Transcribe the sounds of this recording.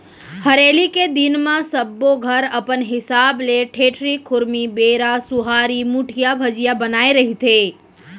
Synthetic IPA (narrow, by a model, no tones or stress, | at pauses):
hɐɾeːliked̪ɪnmãsɐbːoɡʱɐɾɐpənɦɪsaːbleʈʰeːʈʰɾikʰʊɾmibeːɾasʊɦaːɾimuʈʰijabʱɐd͡ʒijabɐnaːeɾɐɦit̪ʰeː